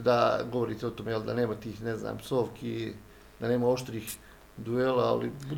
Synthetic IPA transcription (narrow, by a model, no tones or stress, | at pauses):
d̪aɡoʋo̞ɾiːt̪eo̞t̪omejeld̪ane̞ːmat̪iːxnezna̰ːmso̞ːʋkʰi | d̪ane̞ːmao̞ʃt̪ɾiːx | d̪uelaa̰lib